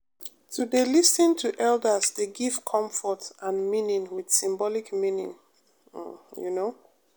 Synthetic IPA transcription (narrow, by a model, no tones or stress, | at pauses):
tʰudelisĩntʰuʔɛldəsdeɡiv̥kʰʌ̃ɱfɔtʔãnmĩnĩŋwɪd̥sĩmbɔlikmĩnḭ̃ŋ̩ | jṵno